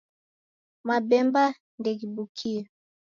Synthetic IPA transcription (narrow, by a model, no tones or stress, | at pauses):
mabɛmba | ndɛkibukʰia